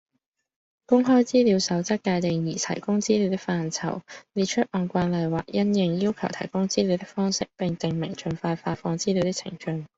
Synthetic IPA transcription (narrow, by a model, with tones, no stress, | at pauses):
kʊ˥ŋɦɔː˥jt͡siː˥liː˨˧wsɐ˨˥wt͡sɐ˥t̚kːaː˧jt̪ɪ˨ŋjiː˨˩t̪ʰɐ̰˨˩jkʊ˥ŋt͡siː˥liː˨˧wt̪̬ɪ˥k̚faː˧nt͡sʰɐ̰˨˩wliː˨˧t̚t͡ʃʰɵ˥t̚ʔɔː˨˧nkʷaː˧˥nlɐ˨˧jwaː˨˩k̚jɐ˥njɪ˨˧ŋjiː˥wkʰɐ˨˩wt̪ʰɐ˨˩jkʊ˥ŋt͡siː˥li˨˧wt̪ɪ˥k̚fɔː˥ŋsɪ˥k̚pɪ˨˧ŋt̪ɪ˨˩ŋmɪ˨˩ŋt͡ʃɵ˨˧nfaː˧faː˧fɔː˧ŋt͡siː˥li˨˧wt̪ɪ˥k̚t͡sʰɪ̰˨˩ŋt͡ʃɵ˧ŋ